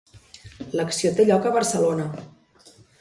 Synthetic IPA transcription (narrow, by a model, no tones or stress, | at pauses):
ləksiot̪eʎɔkəβəɾsəlonə